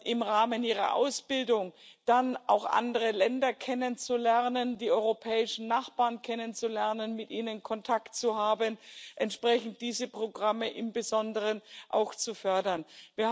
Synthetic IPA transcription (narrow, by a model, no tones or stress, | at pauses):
ʔɪmʁaːməniːʁ̞ɐ̰ʔa̰ʊsb̥ɪldʊŋd̥anʔa̰ʊxʔa̰ndəʁəlɛndɐkʰɛnənt͡sulɛʁnəndiːʔɔʏʁopʰɛːɪʃn̩naχb̥aːɐnkʰɛnənt͡sulɛɐnənmɪtʔiːnənkʰɔntʰaktt͡suhaːbənʔɛntʃpʁ̥ɛçn̩t̚d̥iːzəpʁ̥oɡʁaməʔɪmbəzɔndəʁənʔa̰ʊxt͡sufœɐdɐnviːɐ